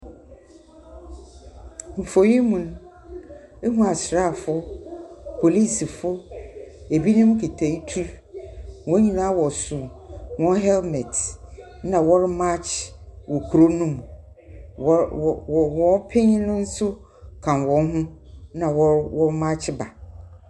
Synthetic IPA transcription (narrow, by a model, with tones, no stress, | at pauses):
m̩˨fo˨ji˦mũ˨ñ˦ | e˦hũ˦a˨sɾa˦˨fʊ˦ | pʰo˨li˦˨si˨fʊ˦ | e˨bi˦nʊ̃˦m˦kʰe˨tʰe˨i˦tʰu˦ɾ | wɔ̃˦ɲĩ˨nãː˦wɔ˨sʊ̃˨wɔ̃˦ɦɛ˦lmɛ˨tʰ | nã˨wɔ˦ɾma˦t͡ʃʰwɔ˨kʰu˨ɾo˦nũ˦˨m˨˦˨ | wɔ̃˨˦pʰẽ˦ɲ˦nʊ̃˦n̩˦sʊ˦ | kʰã˨nwɔ̃˨˦n˦ɦʊ̃˦nã˨wɔ˦ɾwɔ˦ma˦t͡ɕʰɪ˦ba˨